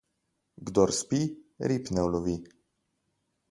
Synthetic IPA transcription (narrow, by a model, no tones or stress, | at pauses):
ɡd̪ɔɾspiɾipnɛwlɔvi